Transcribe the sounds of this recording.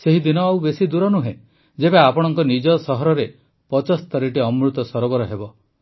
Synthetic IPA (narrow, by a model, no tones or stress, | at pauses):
seɦid̪inɔawbesid̪uɾɔnuɦẽ | d͡ʒebeapɔɽ̃ɔŋkɔnid͡ʒɔsɔɦɔɾɔɾe | pɔt͡ʃɔst̪ɔɾeʈiɔmɾut̪ɔsɔɾɔbɔɾɔɦebɔ